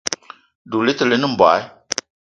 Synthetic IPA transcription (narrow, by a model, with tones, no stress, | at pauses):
du˨li˦t̪ə˨li˦nɨ˦m̩˨ba̰˨˦i˦